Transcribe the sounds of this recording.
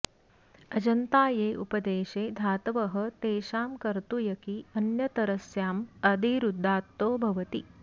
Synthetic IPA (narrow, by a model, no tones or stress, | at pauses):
ɐd͡ʒɐnt̪aːjeːʔupɐd̪eːʃeːd̪ʱaːt̪ɐʋɐɦɐ̆t̪eːʃaːmkɐɾt̪ujɐkiɐnjɐt̪ɐɾɐsjaːmɐd̪iɾud̪ʱːaːt̪ːoːbʱɐʋɐt̪i